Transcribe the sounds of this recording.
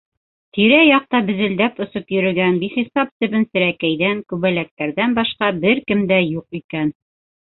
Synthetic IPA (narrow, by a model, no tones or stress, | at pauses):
t̪iɾæjɑq̚t̪ɑbɘ̆zɘ̆ld̪æpɵ̆sɤpjɵ̆ɾɘ̆ɡænbiχisɑp̚t̪ɘ̆βɘnsɘ̆ɾækæjðæŋkʉβælæk̚t̪æɾðænbɑʃqɑbɘɾkɘmd̪æjuqikæn